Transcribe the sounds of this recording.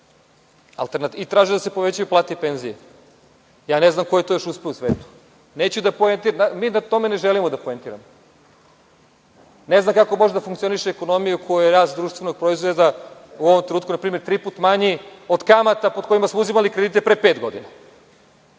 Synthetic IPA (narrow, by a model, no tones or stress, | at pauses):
a̰lt̪eɾnat̪iit̪ɾaːʒed̪asepoʋe̞t͡ɕajuplˠaːt̪ipe̞nzije | jaːneznamkojet̪ooʃuspeousʋeːt̪u̥ | neːt͡ɕud̪apoent̪iɾnamiːnat̪o̞me̞ne̞ʒelimod̪apoent̪iːɾamo | ne̞znamkako̞mo̞ʒed̪afuŋkt̪sio̞niʃeːko̞no̞mijukʰo̞jujeɾaːst̪d̪ɾuːʃt̪ʋe̞no̞ɡ̚pɾo̞izʋed̪auo̞ʋomt̪ɾenuːt̪kunapɾiːmeɾt̪ɾipuːt̪maɲio̞d̪kamat̪apod̪̚ko̞imasmouzimalikɾed̪it̪epɾepe̞ːt̪ɡo̞d̪ina